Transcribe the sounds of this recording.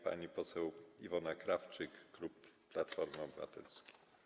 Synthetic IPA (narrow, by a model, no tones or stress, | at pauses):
pa̰ɲipɔsɛwivɔnakɾaft͡ʂɘkːlupː | lat̪fɔɾmɔbɘva̰t̪ɛ̰lskʲi̥